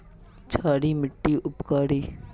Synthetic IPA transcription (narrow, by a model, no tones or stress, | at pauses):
t͡ʃʰaːɽiːmɪʈːiʔʊpkaːɽiː